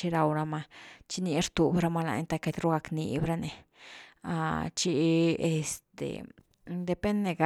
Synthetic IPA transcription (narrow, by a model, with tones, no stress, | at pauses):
i˧ɾa˧wɾa˧ma˧t͡ʃi˧ni˧ɾt̪u˨bɾa˧ma˧la̰˧ɲt̪a˧ke˧t̪ɾu˦ɡa˧knḭ˧bɾa˧ne˧ | a̰˧t͡ʃi˧e˧st̪ḛ˨ | d̪e˧pe˦nːe˧ɡa˨